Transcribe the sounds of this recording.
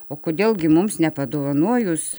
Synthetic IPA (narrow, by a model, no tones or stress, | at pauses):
oːkoːd̪ʲeːlˠɡʲɪmʊmsnʲɛpɐd̪oːʋɐnuɔjʊs